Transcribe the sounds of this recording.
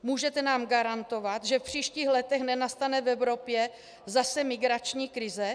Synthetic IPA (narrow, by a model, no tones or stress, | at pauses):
muːʒɛt̪ɛnaːmɡaɾant̪ovat̪ʒɛfpr̝̥iːʃciːxlɛt̪ɛxnɛnast̪anɛvɛvɾopjɛ | zasɛmɪɡɾat͡ʃɲiːkɾɪzɛ